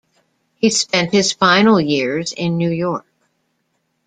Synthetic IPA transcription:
hispɛ̃nt̚hɨz̥fãɪ̃nl̩ˠjɪɹzɪ̃nːʉjɔɹk̚

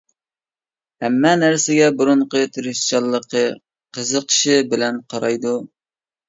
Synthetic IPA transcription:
hɛmːɛnæɾsɪɡʲɛbuɾuɴqət̪ʰeɾɪʃt͡ʃɑlˠːəqʰə | qʰəzəqʃɪbɪlɛnqʰɑɾɑjd̪u

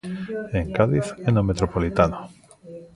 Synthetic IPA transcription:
eŋkaðiθenomet̪ɾopolit̪ano

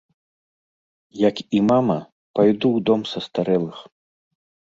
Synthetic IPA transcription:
jɐkimamɐ | pajd̪uwd̪ɔmsɐst̪aɾɛlˠɨx

